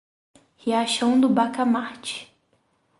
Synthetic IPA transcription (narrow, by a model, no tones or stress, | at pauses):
hiaʃɐ̃w̃d̪ʊbakamaɾt͡ʃɪ̥